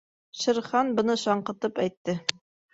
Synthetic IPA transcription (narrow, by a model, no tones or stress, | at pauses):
ʃɘ̆ɾχɑnbɤ̆nɤʃɑɴqɤ̆t̪ɤpæjt̪ːɘ